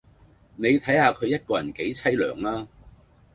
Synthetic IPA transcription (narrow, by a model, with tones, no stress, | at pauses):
ne˨˧jt̪ʰɐ˨˥jhaː˧kʰɵ˨˧ɥjɐ˥t̚kɔː˧jɐ˨˩nke˨˥jt͡sʰɐ˥jlœ̰ː˨˩ŋlaː˥